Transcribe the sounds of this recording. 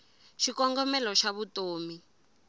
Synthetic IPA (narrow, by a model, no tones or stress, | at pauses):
ʃikɔŋɡɔmɛlɔʃaβutoːmi